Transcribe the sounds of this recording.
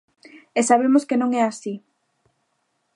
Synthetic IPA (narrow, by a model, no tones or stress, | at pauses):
esaβ̞emoskenõŋɛasi